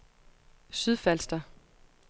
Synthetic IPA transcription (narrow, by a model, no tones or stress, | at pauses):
syð̞ˠfælsd̥ɐ